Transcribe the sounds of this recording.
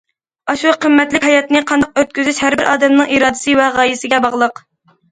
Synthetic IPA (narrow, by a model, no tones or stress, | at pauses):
ɑʃuqʰəmːɛt̪lɪkʲhɑjɑt̪nɨqʰɑnd̪ɑq̚øɾt̪̚kʲyzyʃhæɾbɪɾʔɑːd̪ɛmnɨŋʔiɾɑːd̪ɪ̥sɨvɛʁɑjisɪɡʲɛbɑʁlˠəq